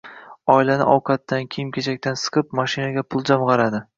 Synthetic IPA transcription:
ɒɪlanɪ̰ʔɒwqʰɑt̪ːankʲʰejɪmkʲʰet͡ʃʰak̚ʲt̪ansɨ̥qʰɨp̚maʃɪnaɡʲapʰʊlˠd͡ʒamʁɑɾad̪ɪ

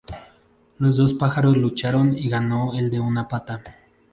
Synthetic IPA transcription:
lo̞zðo̞spaxaɾo̞zlut͡ʃaɾo̞niɣano̞eld̪e̞unapat̪a

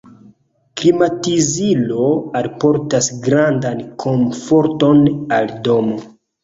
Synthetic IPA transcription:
klimatizilo̞alpo̞ɾtasɡɾandankʰo̞ɱfo̞ɾto̞naldo̞mo̞

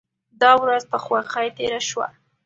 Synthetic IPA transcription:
d̪ɑwɾazpəxwaxajt̪eɾaʃwa̰

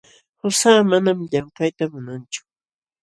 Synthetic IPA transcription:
hʊsaːmanamʎampajt̪amʊnant͡ʃʊ̥

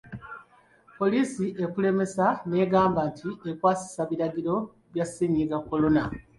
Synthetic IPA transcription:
po̞liːsiʔe̞kule̞me̞sane̞ːɡaːmbantʰiʔekwaːsi̥saβiɾaɡiɾo̞ | βjasiːɲiɡakːo̞lo̞na

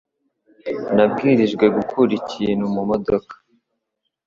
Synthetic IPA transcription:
nab̚ɡiːɾiʒɡwe̞ɡukʰuɾiciːnhumumodo̞kḁ

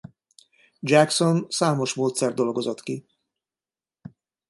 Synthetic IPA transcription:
d͡ʒækso̞nsaːmo̞ʃmoːt̪sɛrd̪d̪o̞lɡo̞zot̪ki

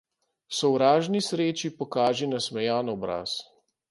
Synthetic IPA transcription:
sɔwɾaːʒnisɾeːt͡ʃipɔkaːʒinasmɛjaːnɔbɾa̰ːs

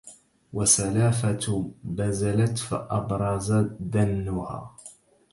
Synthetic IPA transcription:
wasalaːfat̪bazalat̪fḭʔɑbɾˤɑzad̪anːʊha̰ː

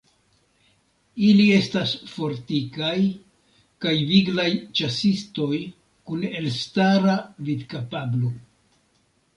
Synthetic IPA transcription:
ilie̞stasfo̞ɾtikaj | kajviɡlajt͡ʃasisto̞j | kune̞lstaɾavidkapablo

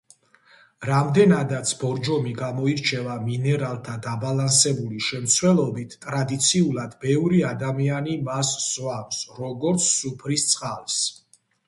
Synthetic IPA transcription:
ɾamd̪ɛnad̪at̪sʰbɔɾd͡ʒɔmiɡamɔiɾt͡ʃʰɛvaminɛɾalˠt̪ʰad̪abalansɛbuliʃɛmt̪sʰwɛlˠɔbit̪ʰt̪ʼɾad̪it̪sʰiulˠad̪bɛvɾiad̪amianimasz̥vwaksɾɔɡɔɾt̪sʰːupʰɾist̪sʼqʼalˠs

